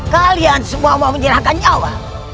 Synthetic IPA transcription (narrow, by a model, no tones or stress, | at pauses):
kaliand͡zimwamamud͡ʒɛɾaakaɲawa